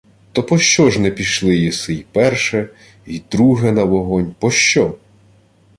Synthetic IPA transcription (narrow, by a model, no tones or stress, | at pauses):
t̪ɔpɔʃt͡ʃɔʒnɛpʲiʃlˠɪjisɪjpɛrʃɛ | id̪ɾuɦɛnɐʋɔɦɔnʲpɔʃt͡ʃɔ